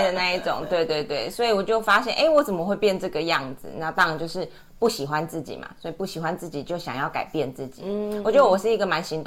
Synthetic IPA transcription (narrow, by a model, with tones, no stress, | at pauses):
d̪ə˨na˥˧i˥˩ʈ͡ʂʊ̰˨˩˦ŋt̪we˥˧ɪt̪we˥˧ɪt̪we˥˩ɪswɔ˧˥i˨˩wɔ˨˩t͡ɕjo˥˩ʊfa˥ɕjɛ˥˩nʔe˥˩ɪwɔ˥˩t͡sə˨˩mə˦xwe˥˧ɪpjɛ˥˧nʈ͡ʂɤ˥˩ɡə˩jɑ˥˩ŋd͡z̩̰˩na˥˩t̪ɑ˥ŋɻa˧nt͡ɕjo˥˧ʊʂɻ̩˥˩ | pu˥˩ɕi˨˩xwa˦nt͡sɹ̩˥˩t͡ɕḭ˨˩ma̰˩swɔ˧˥i˨pu˥˩ɕi˨˩xwa˧˦nt͡sɹ̩˥˩t͡ɕi˨˩t͡ɕjo˥˩ʊɕjɑ˨˩ŋjɑ˥˩ʊka̰˨˩ɪpjɛ˥˧nt͡sɹ̩˥˩t͡ɕḭ˨˦ɔ˨˩t͡ɕɥɛ˧˥d̪ə˧wɔ˨˩ʂɻ̩˥˩i˧˥ɡə˨ma˧˥nɕi˧˥nt̪